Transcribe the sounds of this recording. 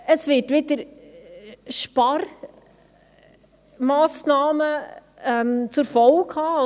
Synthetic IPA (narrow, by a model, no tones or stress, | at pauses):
əsvɪːtʋɪd̪əɾ | ʃpɑr | mɑːsnɑːmə | ɛmt͡sʊɾfɔlkhɑː